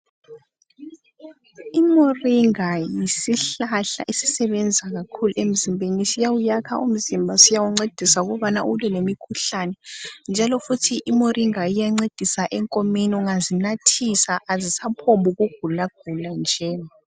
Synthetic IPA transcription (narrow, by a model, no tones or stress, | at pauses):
imoriŋajisiɬaɬa̰ʔisisɛβɛnd͡zʱaɣakʰuluem̩zimbʱenisijawujakʰa̰ʔum̩zimbʱasijawuŋ͡ǀed̥ʱisauɣɔβanaʔulɛlemikʰuɬanɛnd͡ʒʱalɔfutʰiʔimorʔiŋajijaŋ͡ǀed̥ʱisaʔɛŋkʼomeniuŋazinatʰisaʔazisapʰombuɣuɡ̥ʱulaɡ̥ʱuland͡ʒʱɛːa